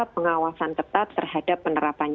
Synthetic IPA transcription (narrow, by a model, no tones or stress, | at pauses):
pːəŋawasant̪ət̪at̪ːərhadapːənəɾapan